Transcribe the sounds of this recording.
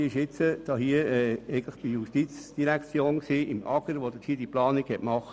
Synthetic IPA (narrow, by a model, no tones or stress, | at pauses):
iəɪʃɪt͡səd̪̥ɑːɦiəɛɛɪɡən̩lɪχd̥ijuʃtit͡sd̥iɾækt͡sjoːnksiːʔɪmʔɑ̰ɡ̥əɾʋod̥̪əthiːəd̥iplɑːniɡhɛtmɑχ